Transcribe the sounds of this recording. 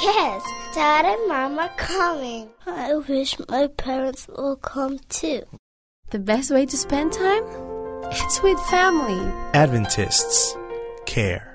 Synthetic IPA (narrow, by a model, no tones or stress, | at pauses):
jɛstɑɹɾɪd̚mɑməkʰʌmɪ̃ŋaɪwɪʃmaɪpʰɛɹə̃ntswɪ̰lˠkʰʌ̃mtʰʉ | ðɨbɛst̚weɪɾɨspɛ̃ntʰãɪ̃mɪtswɪð̥fæmlˠiædvɨ̃ntʰɪ̰stskʰɛ̰ɹ